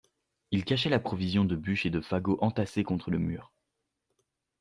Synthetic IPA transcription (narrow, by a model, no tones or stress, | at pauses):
ilkaʃɛlapχɔvizjɔ̃d̪əbyʃed̪əfaɡoʔɑ̃t̪asekɔ̃t̪χələmyːʁ